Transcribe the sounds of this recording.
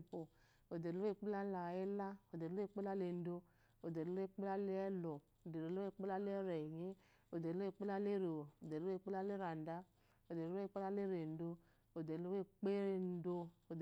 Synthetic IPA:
po˨ | o˨de˨ɾo˦e˦˨k͡pe˦la˦la˨e˦la˦o˨de˨˦e˦˨k͡pe˦la˦le˧n̩˦do˧ | o˨de˨ɾe˦˨˦k͡pe˦la˦le˦ɛ˦lɔ˨ | o˨de˨ɾe˨˦o˦e˦˨k͡pe˦la˦le˦ɛ˦ɾɛ˨ɲe˦ | o˨de˨˦e˦˨k͡pe˦la˦le˦ɾe˨o˨o˨de˨˦e˦˨˦k͡pe˦la˦le˦ɾa˨n˨da˦ | o˨de˨˦e˦˨˦k͡pe˦la˦le˦ɾe˨n̩˨˦do˧ | o˨de˨˦o˦e˦k͡pe˦ɾn̩˨˦do˧o˨d

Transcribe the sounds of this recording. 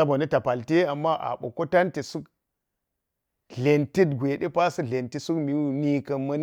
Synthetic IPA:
a˦bo˨ni˦ta˨pa˨lte˦a˨mːa˦ʔa̰˨ɓo̰˨ko˦ta˦nti˨su˦k | ɮe˨nti˦t̚ɡʷe˨ɗe˦pa˦sɨ˦ɮe˨nti˦su˦kmi˨˦wu˨ni˦kɐ˦mɐ˦n˦

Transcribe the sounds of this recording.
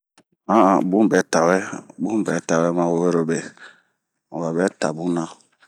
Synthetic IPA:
a˦a˨bu˦m˨bɛ˨˦ta˨wɛ˦bu˦m˨bɛ˨˦ta˨wɛ˦ma˦wo˨we˦ɾo˨be˨ | ɔ˨ba˨bɛ˦ta˨bu˦na˦

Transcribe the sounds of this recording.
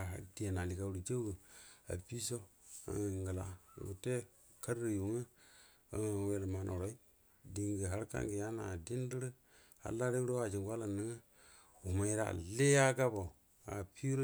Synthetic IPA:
a̰˨di˨a˨na˨li˨ka˨wu˨ɾi˨d͡ʒe˦ɡə˨a̰˨pi˦so̰˦ŋ˨ŋɡə˨la˨ɡu˨te˦ | ka˦ɾi˨ju˨ŋə˦ | ə̰˨we˨˦ɾə˨ma˨nʔo˨ɾo˦i˦ | di˨ŋɡə˨ɦa˦ɾka̰˦ŋɡi˨ja˦na˨di˦n˦di˦ɾə˦ | a̰˨la˦ɾe˦ɾo˦a˨d͡ʒi˨ŋɡwa˦la˨ni˦ŋə˦ | u˨ma˨ji˦ɾa̰˨le˦ja˦ɡa˦bo˨ | a̰˨pi˦ɾo˦

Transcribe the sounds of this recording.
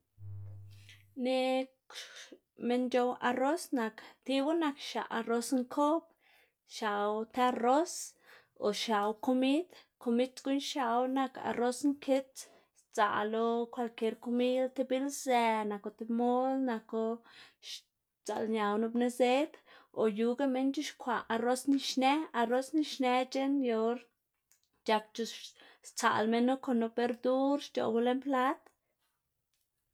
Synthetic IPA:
ne˧ | me˧nd͡ʒo˧wa˧ro˦sna˧kt̪i˧bu˦na˧kʃa̰˨ʔa˧ro˧sŋkʰo˦p | ʃa˨wt̪e˧a˧ro˦s | o̰˨ʃa˨wko˧mi˦d̪ko˧mi˦tɡu˦nʃa˧wna˧ka̰˧ro˦sŋkʰe˦t͡s | t͡sa̰˨lo˧kʷa˧lke˧ɾko˧mi˦lt̪e˧bi˦lze˧na˨ko˧t̪e˧mo˦lna˧ko˧ʃ | t͡sa̰˨lɲa˨wno˧bne˧ze˦d̪o˨ju˧ɡa˦me˧˦nt͡ʃu˦ʃkʷa˨a˧ɾo˦sni˧ʃne˦a˧ɾo˦sni˧ʃne˧t͡ʃe˦njo˧ɾ | t͡ʃa˧k̚t͡ʃu˧st͡sa̰˨lme˧nːo˦ko˨no˧be˧ɾd̪u˦ɾʃt͡ʃo̰˨ɡu˧le˦mpla˦t̪

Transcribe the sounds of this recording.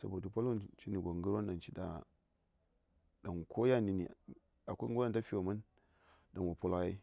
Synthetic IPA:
sa̰˨bo˨du˨pa˦lu˦nt͡ʃi˦ni˨ɡʷo˨ŋɡu˦ɾwa˦nɗa˨nt͡ʃi˦da̰˨ | da˨ŋkʰo˦ja˦˨ni˨nḭ˨ | a˨kʷa˦ɡu˦ɾa˦nta˦fi˦˨wa˨ma˦n | da˨nwa˨pu˦la˦ji˦

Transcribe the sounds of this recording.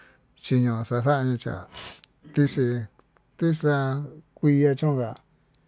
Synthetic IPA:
t͡ʃi˧ɲõ˧sa˧θa˦a˧ɲĩ˧t͡ʃa̰˨ | t̪i˦ʂi˧ | t̪i˦sa˧kʷi˧ja˧t͡ʃõ˦˧ka˧˨

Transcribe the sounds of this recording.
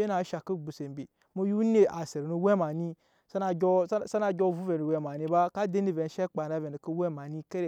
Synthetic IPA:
e˦na˨˦ʃa˨ki˦ɡ͡bu˨se˨m˨bi˨ | mu˦ju˦ne˨ʔa˨se˨ɾnu˦we˦ma˨ni˦ | sa˦na˨o˦sa˦na˨ɡʲo˦˨vu˦ve˨u˨we˨ma˨ni˦ba˦ka˦de˦ni˦ve˨n˦ʃe˦k͡pa˨na˦ve˨ni˨ku˦we˦ma˨ni˦ke˦ɾe˨

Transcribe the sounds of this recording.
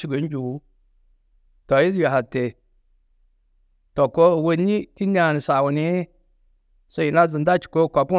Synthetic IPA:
t͡ʃi˨ɡo˨˦d͡ʒu˨wu˦ | tɔ˨ji˦s̬ja˨ɦa˨te˨ | to˨ko˦˨wo˦ni˦ti˦nda˦˨ni˨sa˨wu˨ni˦ | so˦ji˨na˦zɨ˨n˦da˦t͡ʃi̥˨ko˦˨ka˨pu˦

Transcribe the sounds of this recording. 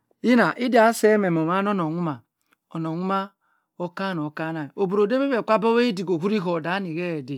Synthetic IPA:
i˦na˨ʔi˦da˨˦se˦me˨m˨o˨ma˦n˦o˦no˨ŋu˦ma˨ | o˨no˨ŋu˦ma˦ | o˦ka˦no˨ka˦na˨o˨bu˨ɾo˨de˦be˦be˨kʷa˦bo˦we˦i˦di˨ɡo˨ɦu˦ɾi˦ɦo˨da˨˦ni˨ɣe˦˨de˨

